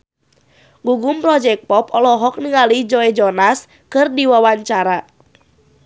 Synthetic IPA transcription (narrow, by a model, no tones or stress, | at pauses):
ɡuɡumpɾɔd͡ʒɛk̚pɔpɔlɔɦɔk̚niŋalid͡ʒɔɛd͡ʒɔnas | kɨrdiwawaɲt͡ʃaɾa